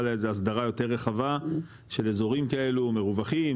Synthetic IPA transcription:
lezeas̬d̪aʁajo̞te̞ʁːeχava | ʃe̞lezo̞ʁimkae̞lume̞ʁuvaχi

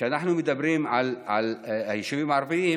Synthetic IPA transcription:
æːnʔæħnumet̪æbɾiːhmʕalʕalʔæjʃibimʕɑɾˤfiːh

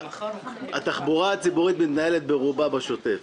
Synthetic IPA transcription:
hat̪aχbuʁaat͡sibuʁit̪mit̪naelet̪̚beʁubabaʃo̞t̪e̞f

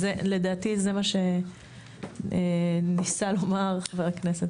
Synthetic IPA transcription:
zele̞d̪aːt̪izemaʃe̞ | enisalo̞maʁaχʃavalakneset̪

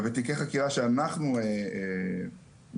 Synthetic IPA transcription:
vet̪ikeχakiʁaʃeanaχnuee

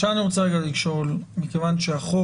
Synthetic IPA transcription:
ʃeaniʁot͡saeɡalikʃo̞lmikevanʃeaχo

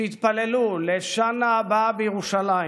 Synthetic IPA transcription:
it̪paleluleʃanaːbabejeʁuʃala

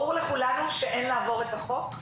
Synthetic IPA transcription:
uʁleχulanuʃeʔenlaːvo̞ʁet̪aχo̞k

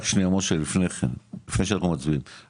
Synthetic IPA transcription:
χʃniamoʃelifneχenlifneʃelχumat͡sbin

